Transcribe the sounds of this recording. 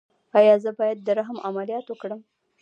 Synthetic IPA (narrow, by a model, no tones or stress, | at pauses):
ɑjɑzəbɑjad̪̚ːəɾaɦamʔamalijɑt̪wəkɽəm